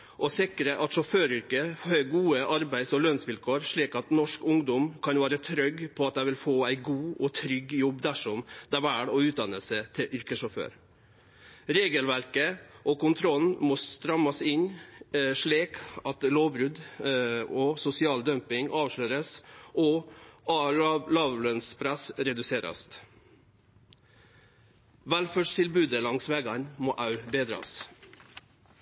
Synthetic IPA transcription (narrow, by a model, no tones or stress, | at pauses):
ʔɔsɪkɾəʔɑt̪ʂɔføːɾʏɾkəhøːɡuːəʔɑɾbæɪd̪sɔlœnsʋɪlkʰoːɾʂɭiːkɑt̪nɔʂkʊŋd̪ʊmkʰɑnʋæːɾət̪ʰɾœɡpʰɔɑt̪̚d̪æɪʋɪlfoːæɪɡuːʔɔt̪ʰɾʏɡjɔbːd̪æʂɔmd̪ɛæʋæːɽɔʉːt̪̚d̪ɑnəsət̪ʰɪʔʏɾkəʂɔfø̰ːɾ | ɾeːɡəlʋæɾkəʔɔkʊnt̪ʰɾɔlnmɔst̪ɾɑmɑsɪɲ | ʂɭiːkɑt̪loːʋbɾʉd̪ | ɔsʊsɪɑːld̪œmpɪŋʔɑːʋʂløːɾəsʔɔ | lɑːʋlœnspʰɾæsɾɛd̪ʉseːɾɑ̰st̪ | ʋælføːʂt̪ʰɪlbʉːd̪əlɑŋsʋɛːɡɑnmoːʔɑʉbeːd̪ɾɑ̰s